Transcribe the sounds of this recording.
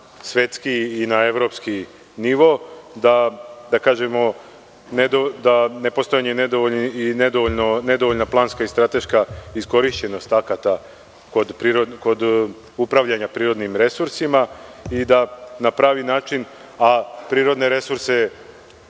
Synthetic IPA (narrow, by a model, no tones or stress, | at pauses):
sʋe̞t̪skiːnae̞ʋɾo̞ːpski | niʋo̞d̪ad̪akaːʒe̞mo̞ | ned̪od̪ane̞po̞st̪ojaɲened̪oonined̪ooʎnone̞d̪o̞ʋoʎnaplˠaːnskaist̪ɾat̪e̞ʃkaisko̞ɾiʃt͡ɕe̞no̞st̪akat̪a | ko̞d̪pɾiːɾod̪ko̞d̪ | upɾaʋʎaɲapɾiːɾo̞d̪nimɾe̞suɾsimaid̪anapɾaːʋinaːt͡ʃin | apɾiːɾo̞d̪ne̞ɾe̞suɾse̞